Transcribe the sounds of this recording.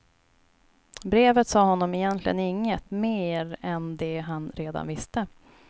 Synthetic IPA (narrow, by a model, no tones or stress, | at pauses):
bɾeːvət̪sɑːɦɔnːɔmɪjɛnt̪lɪ̰ɡə̰nɪŋːət̪meːɾɛnd̪ɛɦanɾeːd̪a̰nvɪst̪ə